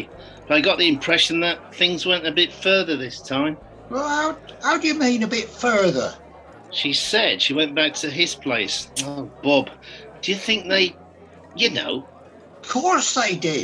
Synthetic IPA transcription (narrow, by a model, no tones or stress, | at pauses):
b̥ʌɾaɪɡɑʔ̪̚ðiɨ̃mpʰɹ̥ɛʃɨ̃n̩ðət̪̚θɪ̃ŋzwɛ̃ntɨbɪtfɜ˞ðə˞ðɪstʰãɪ̃m | wɛlˠhaʊhaʊdɨjɨmĩnɨbɪtfɜ˞ðə̰˞ | ʃisɛd̥ʃiwɛ̃nb̥æk̚tʰɨɪz̥pʰl̥eɪsoʊb̥ɑbd̥ɨjɨθɪ̃ŋk̚ðeɪ | jɨno̰ʊ | ʌ̥kʰɔɹsðeɪdɪd